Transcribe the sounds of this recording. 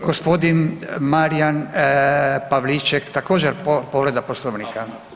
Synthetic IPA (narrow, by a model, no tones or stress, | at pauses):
ɡospod̪inmaɾijan | paʋlit͡ʃɛkt̪akoːd͡ʒɛɾpoʋɾed̪aposloʋnika